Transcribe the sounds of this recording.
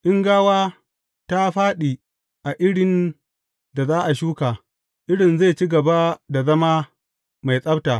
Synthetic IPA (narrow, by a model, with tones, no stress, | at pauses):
ʔɪ˦ŋɡaː˦waː˦ | ta˦ɸaː˦ɗiː˨ | ʔa˨ʔɪ˦ɽɪ˨n | da˨zaː˦ʔa˨ʃuː˦kaː˨ | ʔɪ˦ɽɪ˨nza˦˨t͡ʃiː˦ɡɐ˨ba˦da˨zɐ˦maː˦ | ma˨jsʼɐ˦bta˨